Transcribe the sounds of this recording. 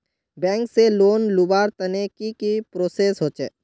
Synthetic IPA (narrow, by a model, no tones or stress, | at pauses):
bɛ̃ːŋkseloːnlubaːɾt̪ɐnekikipɾoːseːsɦoːt͡ʃḛː